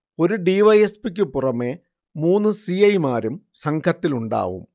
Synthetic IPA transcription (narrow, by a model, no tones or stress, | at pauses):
o̞ɾuɖiʋɐjespik̬ʲːɨpurɐme̞ | muːnːɨsiɐjmaːɾum | sɐŋkʰɐt̪ːiluɳɖa̰ːʋṵm